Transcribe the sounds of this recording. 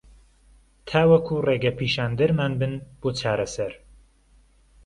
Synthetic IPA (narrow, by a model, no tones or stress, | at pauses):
t̪ʰaːwɐkʰureːɡɐpʰiːʃaːnd̪ɐɾmaːnbɨnb̥oːt͡ʃʰaːɾɐsɐɾ